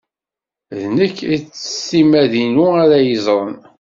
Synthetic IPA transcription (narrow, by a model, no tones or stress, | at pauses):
ðnəkːit͡sːə̥simæðinuaɾæjəzˤɾˤən